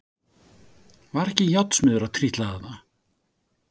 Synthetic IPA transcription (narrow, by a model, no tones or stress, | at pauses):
vaɾɛhcɪjawt̪smʏːðʏɾawt̪ʰɾiht̪laðaða